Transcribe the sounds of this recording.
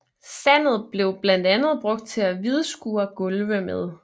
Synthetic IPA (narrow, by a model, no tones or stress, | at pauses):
sæn̰ð̞̩ˠb̥le̝ʊb̥læn̰d̥ænð̞̩ˠb̥ʁɔ̽ɡ̥̚d̥̚t͡sʰe̝æʋið̞ˠəsɡ̥uːɐɡ̥ɔlʋəmeð̞ˠ